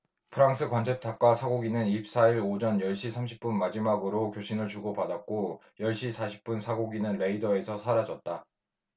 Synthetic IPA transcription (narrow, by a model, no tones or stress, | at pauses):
pʰɯɾaŋs͈ʰɯkwant͡ɕʰep̚tʰak̚k͈wasʰaɡoɡinɯniɕp̚s͈aiɾod͡ʑʌnjʌɭɕ͈ʰisʰamɕ̬ʰi̥p̚p͈unmad͡ʑimaɡɯɾokjoɕʰinɯɭt͡ɕuɡopadak̚k͈o | jʌɭɕ͈isʰaɕʰi̥p̚p͈unsʰaɡoɡinɯnɾe̞idʌe̞sʰʌsʰaɾad͡ʑʌt̚t͈a